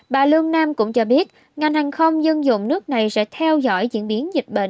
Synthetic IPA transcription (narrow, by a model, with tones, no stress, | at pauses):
ɓaː˨˩lɨ˧əŋnaː˧mkʊ̰˧˥ŋ͡mt͡ɕɔ˧ɓi˦˥ət̚ | ŋa˨˩jŋhaː˨˩ŋxə˧wŋ͡mzə˧nzʊ̰˧˨ŋ͡mnɨ˦˥ək̚na˨˩jsɛ̰˧˥t̪ʰɛ˧wzɔ̰˧˥jzḭ˧˥ənɓi˨˦ənzï˨˩k̟̚ɓḛ˧˨n